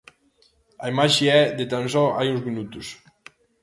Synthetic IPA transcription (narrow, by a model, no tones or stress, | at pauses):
aimaʃiɛd̪et̪ansɔajunzminut̪us